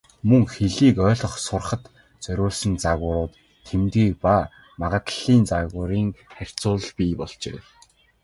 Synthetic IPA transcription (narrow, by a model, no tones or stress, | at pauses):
mɵŋxeɮiːkœːɮɞ̆χsʊrχə̆t̪ | t͡sœɾʲʊːɮsɘ̆nt͡saɣʊːɾʊːt̪ʰː | emt̪ɡiːk̚paː | maʁə̆t̪ɮiːnt͡saɣʊːɾiːŋχær̥ʲt͡sʊːɮ̆ɮpʲiːpɔɮt͡ɕḛː